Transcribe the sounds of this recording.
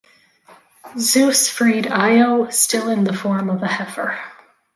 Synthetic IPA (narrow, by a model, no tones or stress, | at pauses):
zʉsfɹiɾaɪoʊz̥stɪlˠɨ̃nðəfɔɹmʌvɨhɛfə˞